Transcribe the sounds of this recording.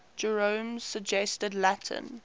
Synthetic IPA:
d͡ʒɛɹə̃mz̥səɡd͡ʒɛstədlatʰə̰̃n

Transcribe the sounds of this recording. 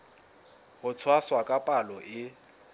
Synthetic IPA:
hʊt͡sʰwaswakʼapʼalɔʔɪ

